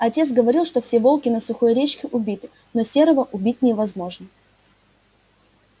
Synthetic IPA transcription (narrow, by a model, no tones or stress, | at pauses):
ɐtʲe̞t̪sɡəvɐɾʲilˠʂt̪o̞fsʲevo̞lˠkʲɪnəsʊxojɾʲet͡ɕkʲɪʔʊbʲit̪ɨ̥ | nosʲe̞ɾəvəʔʊbʲit̚ʲnʲɪvɐzmo̞ʐnə